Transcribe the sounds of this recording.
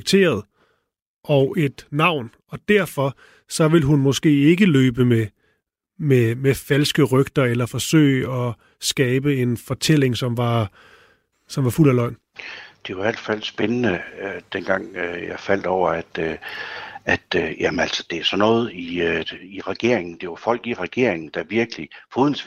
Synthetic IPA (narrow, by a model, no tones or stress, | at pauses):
ɡ̥̚t͡sʰe̝̰ːɐð̞ˠ | ʔɒ̽ʊʔe̝d̥nɑ̈ʊ̰n | ɒ̽d̥æɐ̰fɒ̽ | sɒ̽ʋe̝lɦunmo̽sɡ̥e̝̰ːe̝ɡ̥əløːb̥əme | memefælsɡ̥əʁœɡ̥̚d̥ɐelɐfɒ̽sø̰ːɪɒ̽ | sɡ̥ɛːb̥əe̝nfɒ̽t͡sʰel̰e̝ŋsɒ̽mʋɑ̈ | sɒ̽mʋɑ̈ful̰ælɒ̽ɪ̰n | d̥e̝joiæl̰̥fæl̰sb̥enənəød̥enɡ̥ɑ̈ŋ̰jɑ̈ɪfæl̰d̥ɒʊ̰ɐæd̥ø | æd̥jæmənæl̰sɒ̥d̥e̝æɐsɒ̽nɔ̽ːð̞̩ˠiiʁaɡ̥e̝ɐeŋn̩d̥e̝ɑfɒ̽l̰ɡ̥iʁaɡ̥e̝ɐ̰eŋn̩d̥ɑ̈ʋiɐɡ̥əlifʰoðˠn̩s